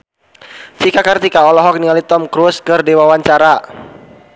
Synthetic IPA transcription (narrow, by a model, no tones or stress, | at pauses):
t͡ʃikakart̪ikaɔlɔɦɔk̚nialit̪ɔmkɾuskɨrdewawaɲt͡ʃaɾa